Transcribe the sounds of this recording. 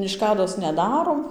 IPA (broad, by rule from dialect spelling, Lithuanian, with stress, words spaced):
ɪʃˈkɑːdoːs nʲɛˈdɑːroːm